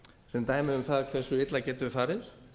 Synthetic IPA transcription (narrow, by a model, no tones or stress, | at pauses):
sɛnt̪aːjmɪðʏmθaðkʰv̥ɛr̥sːʏɪt̪lacɛːt̪ʏvɪfaːɾɪ̥